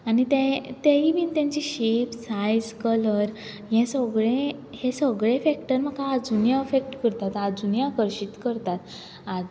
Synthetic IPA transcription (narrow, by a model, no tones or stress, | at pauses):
anit̪ɛ̃t̪eibiːnt̪jãɲt͡ɕiɕepsajd͡zkələɾ | jɛ̃səɡɭẽhẽsəɡɭefɛk̚ʈəɾm̤akaːd͡zunijaefek̚ʈkəɾt̪at̪ad͡zunjakəɾɕit̪kəɾt̪at̪ | a